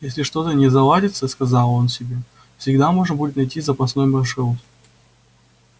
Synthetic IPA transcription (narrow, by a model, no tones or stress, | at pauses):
jesʲlʲɪʂt̪o̞t̪ənʲɪzɐlˠadʲɪt̪səskɐzɑlˠo̞nsʲɪbʲe̞ | fsʲɪɡd̪amo̞ʐnbudʲɪt̪nɐjtʲizəpɐsno̞jmɐʂɨlˠt̪